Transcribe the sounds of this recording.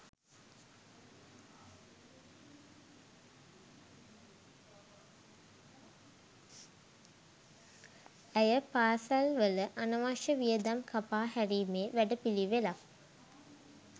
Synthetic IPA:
æjəpaːsalʋələʔanəʋaʂəʋijəd̪amkʰapaːɦæɾiːmeːʋæɖəpiliʋela

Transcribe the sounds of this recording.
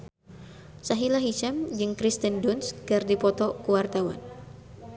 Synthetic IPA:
saɦilaɦit͡ʃamd͡ʒɨŋkɾist̪əndunskɨrdipɔt̪ɔkuwart̪awa̰n

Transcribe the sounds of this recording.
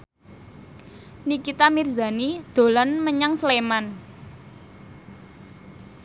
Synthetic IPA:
nikit̪amirza̤nid̪̥o̤lɔnməɲaŋsleman

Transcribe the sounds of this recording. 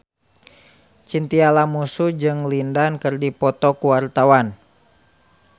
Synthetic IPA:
t͡ʃint̪ialamusud͡ʒɨŋlindankɨrdipɔt̪ɔkuwart̪awan

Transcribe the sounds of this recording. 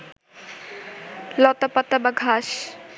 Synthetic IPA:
lɔt̪apat̪abaɡʱaʃ

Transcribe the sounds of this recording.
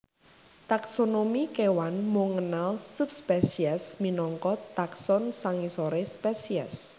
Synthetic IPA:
t̪aksonomikewanmoŋənalsup̚spɛsiɛsminɔŋkɔt̪aksɔnsaŋisoɾespɛsiɛ̰s

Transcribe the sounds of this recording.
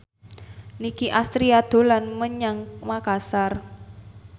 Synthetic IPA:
nikiʔast̪ɾiad̪̥o̤lanməɲaŋkmakasar

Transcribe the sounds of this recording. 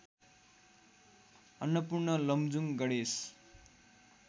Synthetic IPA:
ʌnːʌpurnʌlʌmd͡zuŋɡʌɽes

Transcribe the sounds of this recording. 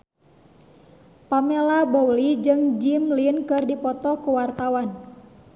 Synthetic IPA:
pamelabowlid͡ʒɨŋd͡ʒimlinkɨrdipɔt̪ɔkuwart̪awan

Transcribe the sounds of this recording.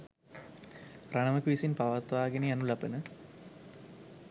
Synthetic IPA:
raɳəməkʋisinpaʋat̪ʋaːɡenejanulapənə

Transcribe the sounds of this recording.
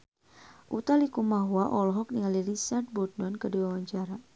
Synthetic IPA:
ʔut̪alikumaɦwaʔɔlɔɦɔk̚niŋalirisart̪̚bɔt̪̚nɔnkəduawaɲt͡ʃaɾa

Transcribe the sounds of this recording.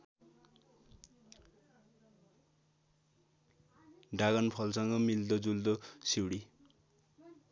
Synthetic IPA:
ɖaɣʌnpʰʌlsʌŋɡʌmild̪ʌd͡zuld̪osiwɽi

